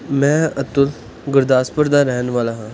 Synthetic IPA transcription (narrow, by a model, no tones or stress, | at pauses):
mɛ̃ːɐt̪ʊl | ɡʊɾd̪aːspəɾd̪aɾɛɦənʋaːlaɦãː